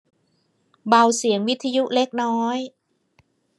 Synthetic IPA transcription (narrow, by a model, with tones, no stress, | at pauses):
ba˧wsi˩˦əŋwi˦˥t̪ʰːa˧ju˦˥ʔle˦˥k̚nɔː˦˥j